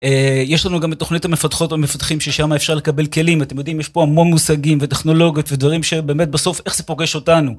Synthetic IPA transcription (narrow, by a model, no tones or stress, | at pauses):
ejeʃlanuɡametːo̞χnithamefatχo̞tvamefatχimʃeʃamaefʃaʁlekabe̞lke̞limat̪emjo̞d̪imjeʃpo̞amo̞nmusaɡimve̞teχno̞lo̞ɡijotve̞dvaʁimʃe̞be̞ːmet̚baso̞fe̞χz̥epoɡeʃo̞tanu